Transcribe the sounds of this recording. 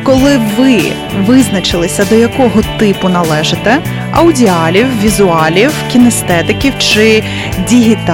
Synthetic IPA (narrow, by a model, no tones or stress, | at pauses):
kɔlˠɪʋɪ | ʋɪznɐt͡ʃɪlˠɪsʲɐd̪ɔjɐkɔɦɔt̪ɪpʊnɐlˠɛʒɪt̪ɛ | ɐwdʲiɑlʲiwʋʲizʊɑlʲiwkʲinɛst̪ɛt̪ɪkʲiwt͡ʃɪ | dʲiɦʲit̪